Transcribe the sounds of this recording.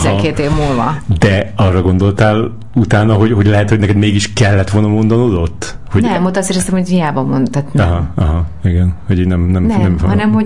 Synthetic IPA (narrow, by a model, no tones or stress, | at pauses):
zɛkeːt̪eːvmulvɒ̰d̪ɛɒrːɒɡo̞nd̪o̞lt̪aːl | ut̪aːnɒɦo̞ɟho̞ɟlɛɦɛt̪hoɟnɛkɛd̪meːɡiʃkɛlːɛt̪ʋolnɒmo̞nd̪onod̪o̞t̪ː | hoɟnɛɛmot̪ːɒseːɾɛst̪ɛmho̞ɟhijaːbɒmond̪t̪at̪nɛɦmɒɦɒiɡɛnho̞ɟiːɟnɛmnɛmnnɛmfhɒnɛmho